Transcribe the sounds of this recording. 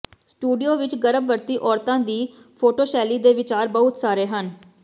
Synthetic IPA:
sʈuːɖijoːʋɪt͡ʃɡəɾəbʋəɾt̪iːʔɔːɾt̪ãːd̪iː | pʰoːʈoːʃɛːliːd̪eːʋɪt͡ʃaːɾbəɦʊt̪saːɾeːɦən

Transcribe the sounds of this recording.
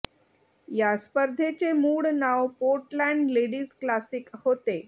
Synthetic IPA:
jaspəɾd̪ʱet͡semuːɽnawpoɾʈlæɳɖleɽiːzklasikhot̪e

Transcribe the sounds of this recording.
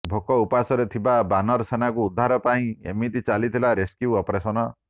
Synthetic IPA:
bʱokɔupasɔɾet̪ʰibabanɔɾsenakuːd̪ʱːaɾɔpaĩḛmit̪it͡ʃalit̪ʰilaɾeskjuɔpɔɾesɔnɔ

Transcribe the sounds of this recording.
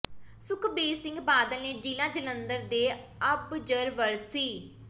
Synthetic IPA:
sʊkʰbeːsɪ̃ŋɡbaːd̪əlneːd͡ʒiːlãːd͡ʒələnd̪əɾd̪eː | əbd͡ʒəɾʋəɾsiː

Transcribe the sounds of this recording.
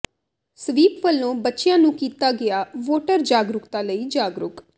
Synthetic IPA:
səʋiːpʋəlːõːbətːʃɪjãːnũːkiːt̪aːɡɪaːʋoːʈəɾd͡ʒaːɡɾʊkt̪ãːləiːd͡ʒaːɡɾʊk

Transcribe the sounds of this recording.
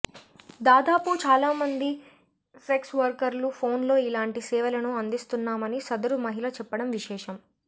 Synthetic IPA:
d̪aːd̪aːput͡ʃaːlaːmɐnd̪i | pɾeksʋɐɾkɐɾlupʰoːnlo̞ːilaːɳʈisɛːʋɐlɐnuɐnd̪ist̪unːaːmɐnisɐd̪ɐɾumɐɦilɐt͡ʃɛpːɐɽɐmʋiʃɛːʂɐm

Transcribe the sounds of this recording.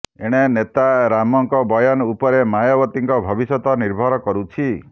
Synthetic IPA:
eɽ̃enet̪aɾamɔŋkɔbɔjɔnupɔɾemajɔbɔt̪iŋkɔbʱɔbisɔt̪ɔniɾbʱɔɾɔkɔɾut͡ʃʰi

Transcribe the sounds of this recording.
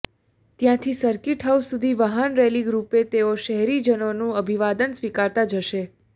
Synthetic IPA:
t̪jãt̪ʰisəɾkiʈɦawsud̪ʱiʋaɦənɾɛliɡɾupet̪eoʃəɦɛɾid͡ʒənonũəbʱiʋad̪ənsʋikaɾt̪ad͡ʒəʃe

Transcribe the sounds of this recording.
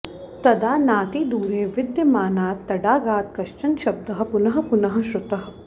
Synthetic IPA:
t̪ɐd̪aːnaːt̪iːd̪uːɾeːʋɪd̪jɐmaːnaːt̪ːɐɖaːɡaːt̪kɐʃt͡ʃɐnʃɐb̚d̪ɐɦɐ̆pʊnɐɦɐ̆pʊnɐɦɐ̆ʃɾʊt̪ɐɦɐ̆

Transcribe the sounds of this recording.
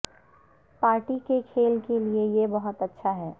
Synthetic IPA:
paːɾʈikekʰeːlkeliejebɐɦʊt̪ɐtːʃʰaɦɛː

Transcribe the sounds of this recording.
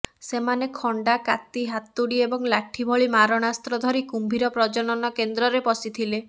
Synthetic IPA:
semanekʰɔɳɖakat̪iɦat̪ːuɽiebɔŋlaʈʰibʱɔɭimaɾɔɽ̃ast̪ɾɔd̪ʱɔɾikumbʱiɾɔpɾɔd͡ʒɔnɔnɔkend̪ɾɔɾepɔsit̪ʰile

